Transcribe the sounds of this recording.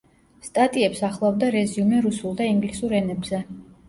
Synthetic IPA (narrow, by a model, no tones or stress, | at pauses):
st̪ʼat̪ʼiɛpsaχlˠavd̪aɾɛziumɛɾusulˠd̪aiŋɡlisuɾɛnɛbzɛ